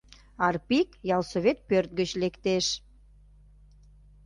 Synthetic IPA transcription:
ɑrpikjɑlsoβʲet̪̚pørt̪̚ɡət͡ɕlekt̪eʃ

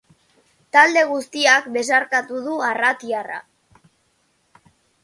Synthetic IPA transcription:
t̪ald̪e̞ɣ̞ust̪iakbe̞s̬aɾkat̪uð̞uarat̪iara̰

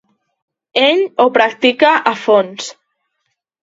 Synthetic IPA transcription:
eʎopɾak̚t̪ikaʔafons

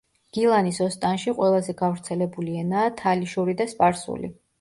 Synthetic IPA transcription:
ɡ̥ilˠanisɔst̪ʼanʃiqʼwɛlˠazɛɡavɾt̪sʰɛlɛbuliɛnaːt̪ʰaliʃuɾid̪aspʼaɾsṵlḭ

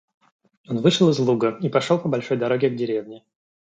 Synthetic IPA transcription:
o̞nvɨʂɨlˠɨzlˠuɡəipɐʂolˠpəbɐlʲʂo̞jd̪ɐɾo̞ɡʲɪɡdʲɪɾʲe̞vnʲɪ

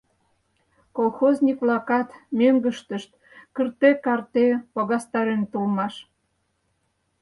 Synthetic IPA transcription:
kolxoznʲikβlɑkɑt̪møŋɡə̆ʃt̪ə̆ʃt̪ | kə̆rt̪ekɑrt̪epoɣɑst̪ɑɾent̪ulmɑʃ

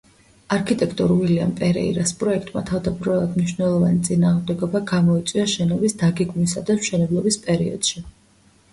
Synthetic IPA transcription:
aɾkʰit̪ʼɛkʰt̪ʼɔɾvilia̰mpʼɛɾɛ̰ḭɾaspʼɾɔɛk̚ʰt̪ʼmat̪ʰavd̪abɾalˠad̪mniʃnɛlˠɔvanit̪sʼinaːʁmd̪ɛɡɔbaɡamɔit̪sʼwiaʃɛnɔbisd̪aɡɛɡmisad̪amʃɛnɛblˠɔbispʼɛɾiɔ̰d̪̥ʃi

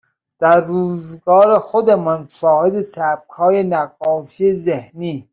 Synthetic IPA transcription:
d̪̥æɾːuːzɡɒːɾexod̪emɔnʃɒːhed̪esæb̚kʰɒːjenæɡɒːʃijezehniː

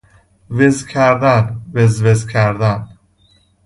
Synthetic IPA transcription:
vezcʲʰæɾd̪ænvezvezcʰæɾd̪æn

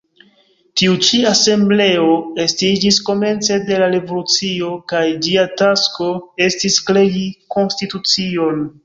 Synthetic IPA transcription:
tiut͡ʃiase̞mble̞o̞e̞stid͡ʒisko̞me̞nt͡se̞de̞laɾe̞volut͡sio̞kajd͡ʒiatasko̞e̞stiskle̞jiko̞nstitut͡sio̞n

